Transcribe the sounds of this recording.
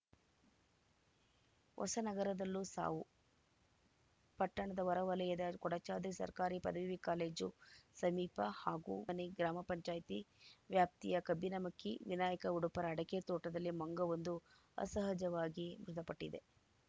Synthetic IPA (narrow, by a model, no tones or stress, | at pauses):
ʋʔɔ̰sɐnɐɡɐɾɐd̪ɐlːusa̰ːʋu | pɐʈːɐɳɐd̪ɐʋɐɾɐʋɐlɐjɐd̪ɐkɔɽɐt͡ʃaːd̪isɐ̰ɾkaːɾipɐ̰d̪ɐʋiʋikaːleːd͡ʒusɐmiːpɐhaːɡṵːɐniɡɾaːmɐpɐɲt͡ʃaːjɐt̪iʋjaːp̚t̪ijɐkɐbːinɐmɐkːiʋinaːjɐkɐuɽupɐɾɐːɽɐket̪ɔːʈɐd̪ɐlːimɐŋɡɐʋond̪u | ɐ̰sɐɦɐd͡ʒɐʋaːɡibɾud̪ɐpɐʈːid̪e̞